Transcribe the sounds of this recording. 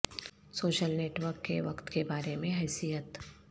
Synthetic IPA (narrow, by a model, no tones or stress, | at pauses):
soːʃəlneːʈʋəɾkːeʋɐkt̪kebaːɾemẽɦɛːsijət̪